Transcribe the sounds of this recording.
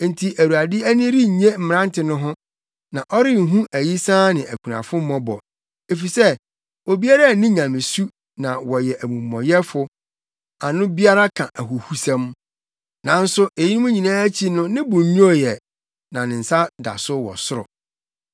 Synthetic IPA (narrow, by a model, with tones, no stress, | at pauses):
n̩˨tʰi˨ʔæ˨ɾu˨a˨dɪ˦æ˦nĩ˦ɾi˦˨ɲẽ˦m̩˨m˨ɾã˦n˦tʰɪ˨nʊ̃˦ɦʊ̃˦ | nã˨ʔɔ˦ɾɪ˦ŋ̩˨ɦũ˦ʔæ˨ji˦sãː˦nɪ̃˨ʔæ˨kʰũ˨nã̰˨fʊ̃˦m̩˦mɔ̃˦bɔ̰˨ | e˨fi˨sɛ˦ | wɔ˨bi˦a˦ɾa˦˨nɪ̃˦ɲã˨mɪ̃˨su˦ | nã˨wɔ˨jɛ˨ʔæ˨mũ˨mː˨ɔ̃˨jɛ˦fʊ˨ | a˨nʊ̃˦bi˦a˦ɾa˦kʰã˨ʔæ˨ɦu˨hu˦sɛ̃˦m | nã˨n̩˦sʊ˦e˨ji˦nũ˦mũ˦ɲĩ˨nãː˦t͡ɕʰi˦nʊ̃˦nɪ̃˦bʊ̃˨˦ũ˦ɔ˨jɛ˨ | nã˨nɪ̃˨n̩˨sa˦da̰˨sʊ˦wɔ̰˨sʊ˦ɾɔ̰˨